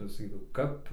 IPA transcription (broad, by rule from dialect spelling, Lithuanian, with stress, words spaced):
sɐˈkʲiːdɐʋɐʊ ˈkɐp